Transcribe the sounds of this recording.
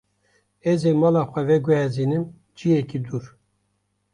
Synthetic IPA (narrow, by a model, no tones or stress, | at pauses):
ɛzemɑːlɑxʷɛvɛɡʷɛhɛziːnɨm | d͡ʒijɛkid̪uːɾ